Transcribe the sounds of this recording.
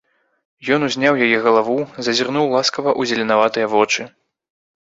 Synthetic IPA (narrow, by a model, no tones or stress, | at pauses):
jɔnuzʲnʲawjajɛɣɐlˠavuzɐzʲirnuwlˠaskɐvɐʔuzʲɛlʲɛnavat̪ɨjɐvɔt͡ʂɨ